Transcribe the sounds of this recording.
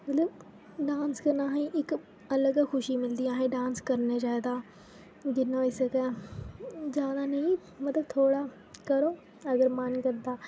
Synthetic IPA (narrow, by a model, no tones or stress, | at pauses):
mət̪ləb | ɖaːnskəɾnaːɦɛ̃ʔɪk | ələɡxʰʊʃiːmɪld̪iãːɦẽːɖãːnskəɾneːd͡ʒaːd̪aː | ɡɪnaːisəkɛː | d͡ʒjaːd̪aːnəĩ | mət̪ləb̚t̪ʰoːɽaː | kəɾoː | əɡəɾmənkəɾd̪aː